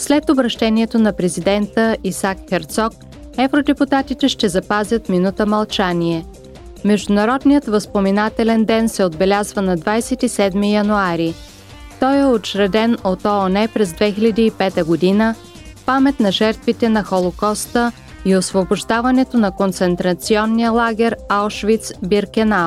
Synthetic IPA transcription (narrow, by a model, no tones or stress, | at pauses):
slɛt̪obɾɐʃt̪ɛniɛt̪onɐpɾɛzid̪ɛnt̪əisakxɛɾt̪sɔk̚ | ɛvɾod̪ɛput̪at̪it̪ɛʃt̪ɛzɐpazʲət̪minut̪əmɐlˠt͡ʃaniɛ | mɛʒd̪ʊnɐɾɔd̪nijət̪vəspomɛnat̪ɛlɛnd̪ɛnsɛod̪̚bɛlʲazvənɐd̪vajsɛt̪isɛd̪mijɐnuaɾi | t̪ɔjɛot͡ʃɾɐd̪ɛnot̪ɔonɛpɾɛzd̪vɛxilʲɐd̪iːpɛt̪əɡod̪inə | pamɛt̪nɐʒɛɾt̪vit̪ɛnɐxolˠokɔst̪ə | iosvoboʒd̪avɐnɛt̪onɐkont̪sɛnt̪ɾɐt̪siɔnːijəlˠaɡʲɛɾalˠʃvit̪sbiɾkɛna